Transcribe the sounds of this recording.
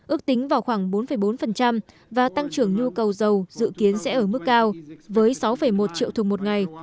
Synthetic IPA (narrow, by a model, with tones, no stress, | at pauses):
ʔɨ˦˥ək̚t̪ï˨˦ŋ̟vaː˨˩wxwaː˧˩ŋɓo˨˦nfə˧˩jɓo˨˦nfə˨˩nt͡ɕa˧m | vaː˨˩t̪a˧ŋt͡ɕɨ˧˩əŋɲu˧kə˨˩wzə˨˩wzɨ̰˧˨ki˨˦ənsɛ̰˧˥ʔəː˧˩mɨ˦˥kːaː˧wvəː˨˦jsa˨˦wfə˧˩jmo˨˩t̚t͡ɕḭ˧˨əwt̪ʰu˨˩mo˨˩t̚ŋa˨˩j